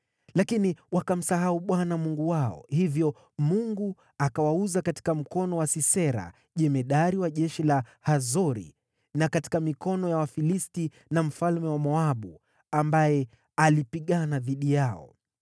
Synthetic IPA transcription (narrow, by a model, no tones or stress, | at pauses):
lakiniwakam̩saɦauɓwanamuŋɡuwaɔ̰hivjɔ | muŋɡu | akawauzakati̥kam̩kɔnɔwasisɛɾa̰ | ʄɛmɛɗaɾiwaʄɛʃilahazɔɾḭ | nakati̥kamikɔnɔjawafilisti | nam̩falmɛwamɔaɓu | ambajɛ | alipiɠanaðiɗijaɔ̰